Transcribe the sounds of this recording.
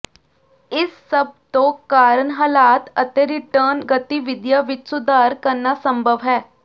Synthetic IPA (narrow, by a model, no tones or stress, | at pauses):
ɪsːəb̚t̪õkaːɾənɦaːlaːt̪ət̪eɾɪʈəːɾnɡət̪iʋɪd̪jaʋɪt͡ʃsʊd̪ʱaːɾkəɾnasə̃mbʱəʋɦɛː